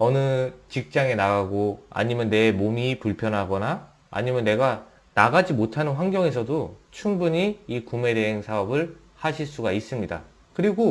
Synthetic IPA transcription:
ʌnɯt͡ɕik̚t͡ɕ͈aŋe̞naɡaɡoa̰ɲimjʌnːe̞momipuɭpʰjʌnɦaɡʌna | a̰ɲimjʌnːe̞ɡa | naɡad͡ʑimotʰanɯnɸwaŋɡjʌŋe̞sʰʌdot͡ɕʰuŋbuɲiikume̞deɦeŋsʰaʌbɯɭ | haɕʰiɭs͈uɡais͈ɯmɲida̰ | kɯɾiɡo

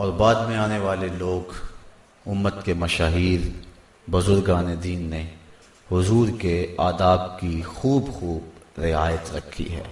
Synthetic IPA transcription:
ɔːɾbaːd̪mẽaːneʋaːleloːɡ | ʊmːət̪kemɐʃaːɦiːɾ | bʊzʊɾɡaːned̪iːnːe | hʊzuːɾkeaːd̪aːb̚kixuːbxuːbɾɪaːjət̪ɾɐkʰːḭɦɛ̰ː

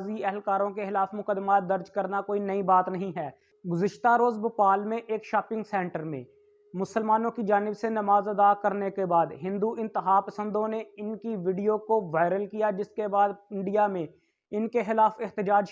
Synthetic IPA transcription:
ziɛɦlkaːɾõkexɪlaːfmʊkəd̪maːt̪̚d̪ɐɾd͡ʒkɐɾnakoːinɐibaːt̪nəɦĩɦɛː | ɡʊzɪʃt̪aɾoːzbʊpaːlmẽʔeːkʃaːpɪ̃ŋɡsɛ̃ːɳʈəɾmḛ̃ | mʊsəlmaːnõkid͡ʒaːnɪbsenɐmaːzɐd̪akɐɾnekebaːd̪ɦɪ̃nd̪uɪ̃nt̪ɪɦaːpəsə̃nd̪õneɪnkiʋiːɖijokoʋaːɪɾəlkijad͡ʒɪskebaːd̪ɪ̃ɳɖijamẽ | ɪnkexɪlaːfɪxt̪ɪd͡ʒaːd͡ʒ

